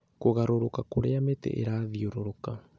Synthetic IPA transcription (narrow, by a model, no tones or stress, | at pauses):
koɣaɾoɾokakoɾeametɛ̰ʔḛɾaːðioɾoɾoka